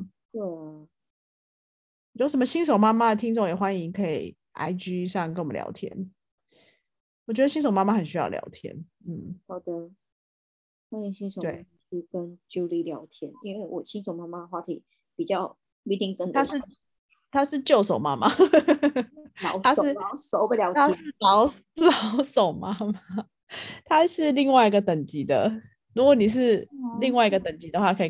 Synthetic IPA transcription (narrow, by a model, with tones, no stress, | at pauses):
twɛ˥˩a˩ | jo˧˥ʊʂə˨˦mə˦ɕi˥ŋʂ̬o˨˩ʊma˥ma˨d̪ə˨˩t̪ʰi˥ŋʈ͡ʂo˥˩ŋjɛ˨˩xwa˦ni˧˥ŋkʰɤ˧˥ḭ˨˩ | ʔa̰˧ɪt͡ɕy˥ʂɑ˥˧kə˧˥nw̰ljɑ̰˧˥ʊt̪ʰjɛ̰˦n | wɔ˨˩t͡ɕɥd̪ə˧ɕi˥nʂ̬o˨˩ʊma˥ma˧˩xə˨˩nɕy˥jɑ˥˩ʊljɑ̰˧˥ʊt̪ʰjɛ̰˦nn̩˥˩hɑ˨˩ʊd̪ə˦ | xwa˥ni˧˥ŋɕi˥ŋʂo˨˦t̪we˥˩ɪa˥˩m˧˩t͡ɕy˥˩kə˦nt͡ɕju˥ʊli˥˩ljɑ˨˧˥ʊt̪ʰjɛ˦˥ni˦nwe˥˩ɪwɔ˨˩ɕi˥nʂo˨˩ʊma˥ma˧ə˨˩xwa˥˩t̪ʰi˨˩ | pi˨˩t͡ɕjɑ˥˩ʊ | i˥t̪i˥˩ŋk̪ə˧˦nt̪ʰa˥ʂ̩˥˨ | t̪ʰa˥ʂɻ̩˥˧t͡ɕjo˥˩ʊʂo˨˩ʊma˦ma˨˦ | lɑ˨˧˥ʊa˥˨˥lʊso˨˩ʊbə˨˩ljɑ˨˥ʊt̪ʰa˥ʂ̩˥˨lɑ˨˦ʊ | lɑ˨˦ʊso˨˩ʊma˦ma˨ | t̪ʰa˦ʂɻ̩˥˧li˥˧ŋwa˥˩ɪi˧ɡə˨t̪ə˨˩ŋt͡ɕi˨˥d̪ə̰˨ | ɻu˦˥ɡwo˨˩ni˨˩ʂ̬ɻ̩˥˧li˥˧ŋwa˥˩ɪi˧ɡə˨˩t̪ə˨˩ŋt͡ɕi˧˨˥d̪ə˧xwa˥˩kʰə˧˥i˨